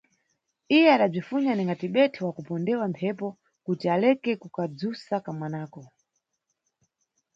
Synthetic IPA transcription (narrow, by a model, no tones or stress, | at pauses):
ijɛaɗab͡ʐifuɲaniŋɡatiɓɛtʰɛwakupɔndɛwampʰɛpɔ | kutialɛkɛkukad͡zusakamwanaːkɔ